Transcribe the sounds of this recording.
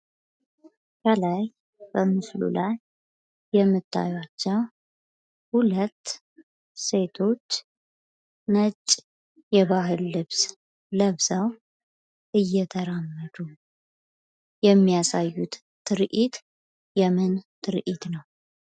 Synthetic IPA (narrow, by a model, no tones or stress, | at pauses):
kəlaj | b̥əmɨslṵlajː | ɛmːɨt̪ʰːa̰jwat͡ʃːɛw | hulət̪ː | se̞t̪ʰo̞t͡ʃː | nət͡ʃʼː | jɛβaɦɨlːɨβs | ləβzəw | ʔɨjːɛt̪ʰəɾamːəd̪u | jɛmːijasajːut̪ | t̪ʰːɨɾʔit̪ | jɛmɨnt̪ʰɨɾʔit̪nəw